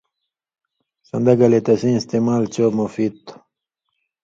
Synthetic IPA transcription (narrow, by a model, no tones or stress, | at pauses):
sɐ̰nd̪ɐɡɐlet̪ɐsĩnst̪imalt͡ɕomofit̪